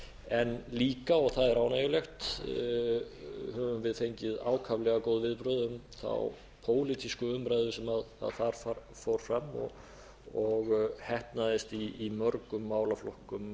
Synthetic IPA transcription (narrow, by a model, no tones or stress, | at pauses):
ɛnliːkaɔɣθaðɛɾaːwnajʏlext̪ | hœvʏmvɪðθejɲcɪða̰ːwkʰavlɛɣakoːwðvɪðpɾœðʏmθa̰w | pʰoːwlit̪ʰiskʏʏmɾajðʏsɛmaða̰ðfaɾ̥fa | fowɾ̥fɾamːɔ̰ | ɔɣhɛhpnaðɪst̪iːmœɾkʏmːaːwlaflɔhkʏm